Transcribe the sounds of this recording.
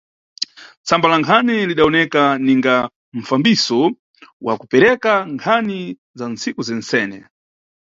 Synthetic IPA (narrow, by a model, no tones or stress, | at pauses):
t͡sambalaŋkʰaniliɗaɔnɛkaniŋɡa | ɱ̩fambisɔ | wa̰kupɛɾɛkaŋkʰani | zan̩t͡sikuzɛn̩sɛːnɛ̰